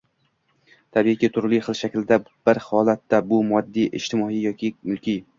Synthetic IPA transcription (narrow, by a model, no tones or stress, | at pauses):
t̪ʰabiɪkʲit̪ʰʊɾlˠɪjχɨlˠʃakʲld̪ab̥ɪɾhɒlˠat̪ːabʊmɒd̪ːijʔɪ̰ʃt̪ʰɪmɒijɒkʲɪmʊlˠkʲʰi